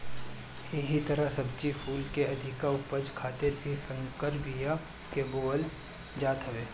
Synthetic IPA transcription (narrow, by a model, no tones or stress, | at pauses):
eɦit̪ɐɾəɦsɐbt͡ʃipʰuːlkeɐd̪ʱɪkaʊpəd͡ʒkʰaːt̪ɪɾbʱisə̃ŋkəɾbija | keboːl | d͡ʒaːt̪ɦɐʋeː